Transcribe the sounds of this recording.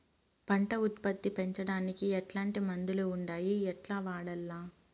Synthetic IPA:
pɐɳʈɐut̪pɐt̪ːipeɲt͡ʃɐɽaːnikiɛʈlaːɳʈimɐnd̪uluuɳɖaːjiɛʈlaːʋaːɽɐlːaː

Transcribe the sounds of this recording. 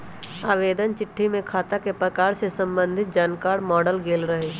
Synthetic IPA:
aːʋeːd̪ənt͡ʃɪʈʰːimẽkʰaːt̪akepɾɐkaːɾsesɐ̃mbə̃nd̪ʱɪt̪̚d͡ʒaːnkaːɾmɔːɖəlɡeːlɾəɦeː

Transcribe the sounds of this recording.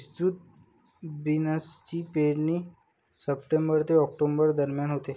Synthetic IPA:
ist̪ɾut̪̚ | binəst͡ɕiːpeɾniː | səpʈembəɾt̪eɔk̚ʈombəɾd̪əɾmjanɦot̪e

